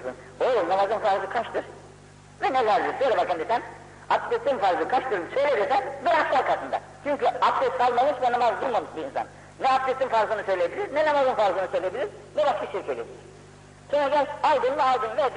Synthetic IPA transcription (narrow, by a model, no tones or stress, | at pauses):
sɯ̰n | onamazɯnfaɾzˠɯkʰaʃt̪ɯɾ | vɛnelʲæɾd̪ʲiɾsøjlʲɛbakand̪isæn | ḁt̪et̪ʰːiːmfaɾzˠɯkʰat͡ʃt̪ɯɾsøjlʲebiɾsɛnbɛɾafʃʲaɾkʰat̪ʰɯnd̪a̰ | t͡ʃʰyɲcyapt̪ɛskʰalˠmamɯʃvɛnamazd̪ulˠmamɯʃbiːnsa̰n | nɛap̚t̪ɛt̪ːimfaɾzˠɯnɯsø̞jlʲeebilʲiɾnɛnamazɯnfaɾzˠɯnɯsø̞jlʲe̞bilʲiɾ | nɛbaʃkaʃiɾcʰelʲebilʲiɾ̥ | sonɾaɡæɾʃalˠd̪ɯnvɛalˠd̪ɯnvɛd̪